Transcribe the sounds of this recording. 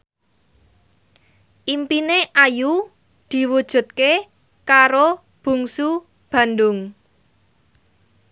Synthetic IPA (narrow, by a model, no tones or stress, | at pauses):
ʔimpineʔaju | d̪̥i̤wud̥ʒ̥ṳt̪̚ke | kaɾo | b̥ṳŋsu | b̥ä̤nd̪ʊŋ